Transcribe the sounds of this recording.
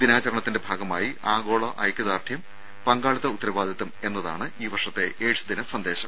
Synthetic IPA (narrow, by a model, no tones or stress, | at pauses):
d̪inaːt͡ɕɐɾɐɳɐt̪ːindebʱaːɡɐmaːjiʔaːɡo̞ːɭoʔɐ̰jkʲːɐðaːrt̪ʰjɐm | pɐŋɡaːɭit̪ːɐut̪ːɐɾɐʋaːd̪ʱit̪ːɐme̞nːɐðaːɳɨiːʋɐrʂɐt̪ːe̞ʔeːɻɕɐd̪inɐsɐnd̪e̞ːɕɐm